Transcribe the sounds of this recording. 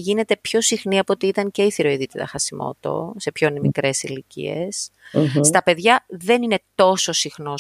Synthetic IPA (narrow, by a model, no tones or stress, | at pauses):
ʝine̞t̪e̞pço̞sixniɐpot̪iit̪ɐŋce̞iθiɾo̞iðit̪it̪ɐ̰xɐsimo̞̰t̪o̞̰se̞pço̞nmikɾe̞silicḭe̞sst̪ɐpe̞ðʝɐðe̞nine̞t̪o̞so̞sixno̞